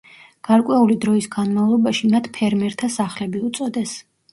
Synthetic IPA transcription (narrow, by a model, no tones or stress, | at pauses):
ɡ̥aɾkʼwɛulid̪ɾɔisɡanmavlˠɔbaʃimat̪ʰpʰɛɾmɛɾt̪ʰasaχlɛbiut̪sʼɔd̪ɛs